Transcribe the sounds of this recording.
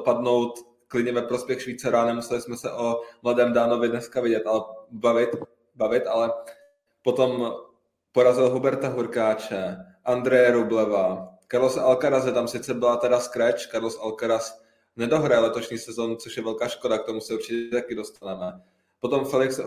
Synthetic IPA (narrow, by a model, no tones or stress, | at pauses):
padno̞wt̪ | klɪdɲɛvɛpɾospjɛxʃviːt͡saɾaanɛmusɛlɪsmɛsɛʔo̞mladɛːmdaːno̞vɪdnɛskavɪɟɛt̪ʔalɛbavɪt̪ | bavɪt̪ʔalɛ | po̞t̪o̞m | po̞ɾazɪlɦubɛɾt̪aɦuɾkaːt͡ʃɛ | ʔand̪ɾɛjɛɾublɛvakaɾlosalkaɾazɛt̪amsɪt͡sɛbɪlat̪ɛdaskɾɛt͡ʃkaɾlosalkaɾas | nɛdo̞ɦɾajɛlɛt̪o̞ʃɲiːsɛzonut͡soʃjɛvɛlkaːʃko̞dak̚t̪omusɛuɾt͡ʃɪcɛt̪akɪdost̪anamɛː | po̞t̪o̞mfɛlɪks